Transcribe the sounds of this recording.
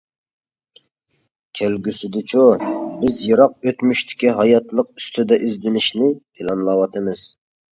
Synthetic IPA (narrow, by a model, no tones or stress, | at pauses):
kʲʰælɡʲysɪd̪ɪt͡ʃʰubɪzjɨɾɑq̚øt̪myʃt̪ʰɪ̥kʲiɦɑjɑt̪lˠəq̚y̥st̪ʰɪd̪ɛʔizd̪ɪnɪʃnɪpʰɪlˠɑnlˠɑwɑt̪ʰɨmɨz̥